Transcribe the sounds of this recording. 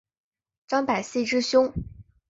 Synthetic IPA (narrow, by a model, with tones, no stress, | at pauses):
ʈ͡ʂɑ˥ŋpa˨˩ɪɕi˥˧ʈ͡ʂɻ̩˥ɕjʊ˥ŋ